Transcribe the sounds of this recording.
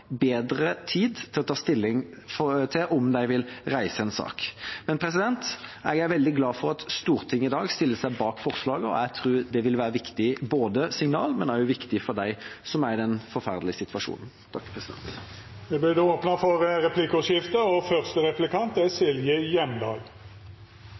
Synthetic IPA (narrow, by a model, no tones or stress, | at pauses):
beːd̪ɾət̪ʰiːd̪t̪ʰɪlɔt̪ʰɑːst̪ɪlːɪŋft̪ʰɪʔɔmd̪æɪʋɪlɾæɪsəɛnsɑ̰ːkmɛnpʰɾɛs̬ɪd̪ɛnt̪æɡæɡʋɛld̪ɪɡlɑːfɔɾɑt̪st̪uːɾt̪ʰɪŋːəɪd̪ɑːɡst̪ɪlːəsæɪbɑːkfɔɾslɑːɡəɔ̰æt̪ʰɾuːɾd̪ɛʋɪlʋæːɾəʋɪkt̪ɪboːd̪əsɪŋnɑ̰ːlmɛnæɾjʊʋɪkt̪ɪfɔɾd̪æɪsɔmæɾd̪ɛnfɔɾfæʁd̪lɪəsɪt̪ʰʋɑʂṵːnən | t̪ʰɑkːpʰɾɛsd̪ɛ̰nt̪ | ʋɛblɪd̪oːpnɑfɔʁɾɛpʰlikəɔsɪft̪əɔfœʁst̪əɾɛplɪkʰɑnt̪ɛsɪljəjɛmd̪ɑːl